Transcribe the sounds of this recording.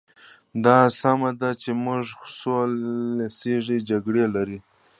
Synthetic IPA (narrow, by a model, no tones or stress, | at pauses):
d̪ɑsamad̪at͡ʃemʊʐsolseʐid͡ʒaɡɽelaɾi